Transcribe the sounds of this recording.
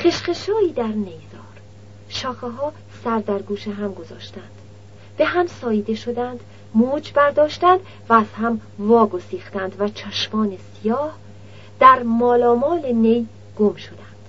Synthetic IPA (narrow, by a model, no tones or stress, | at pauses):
χeʃχeʃɒːiːd̪æɾnejzɒːɾ | ʃɒːxeɦɒː | sæɾd̪æɾɡuːʃeɦæmɡo̞zɒːʃt̪ænd̪̥ | b̥e̞ɦæmsɒːjiːd̪e̞ʃod̪ænd̪ | muːd͡ʒbæɾd̪ɒːʃt̪ænd̪̥ | væːz̥hæmvɒːɡo̞siːxt̪ænd̪væt͡ʃʰæʃmɒːnesijɒːh | d̪̥æɾmɒːlɒːmɒːlene̞j | ɡ̥omʃo̞d̪ænd̪̥